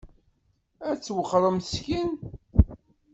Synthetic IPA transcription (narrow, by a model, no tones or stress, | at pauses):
æt͡sːwəχɾˤəmθskin